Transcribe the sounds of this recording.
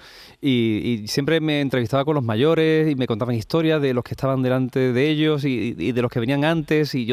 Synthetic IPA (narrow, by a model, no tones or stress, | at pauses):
iisje̞mpɾe̞me̞ːnt̪ɾeβist̪aβako̞nlo̞zmaʝo̞ɾe̞sime̞kont̪aβaŋist̪o̞ɾjaðe̞lo̞skest̪aβand̪e̞lant̪e̞ðeeʎo̞s̬iḭðe̞lo̞skeβe̞niaŋãnt̪e̞sio